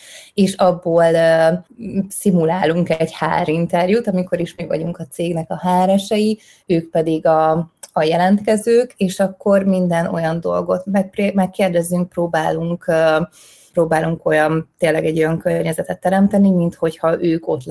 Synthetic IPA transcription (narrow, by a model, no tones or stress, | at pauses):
eːʃɒbːoːl | simulaːluŋkɛɟha̰ːɾint̪ɛrjut̪ɒmiko̞ɾiʃmɛɡʋvɒ̰ɟuŋkɒt̪seːɡnɛkɒɦaːɾɛʃɛji | øːkpɛd̪iɡɒːjɛlɛnt̪kɛzøːkeːʃɒkːo̞rmind̪ɛno̞̰jɒnd̪o̞̰lɡo̞t̪mɛkpemɛkːeːrd̪ɛzːyŋk̚proːbaːluŋkː | pɾoːbaːluŋko̞jɒnt̪eːlːɛɡɛɟːo̞jɒŋkørɲɛzɛt̪ɛt̪ːɛɾɛmt̪ɛnimint̪ho̞chɒʔøːko̞t̪l